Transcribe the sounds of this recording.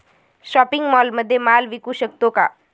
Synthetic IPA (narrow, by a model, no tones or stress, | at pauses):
ʃɔːpɪ̃ŋɡmɔːlmɐd̪ʱːjemaːlʋɪkuʃək̚t̪õka̰ː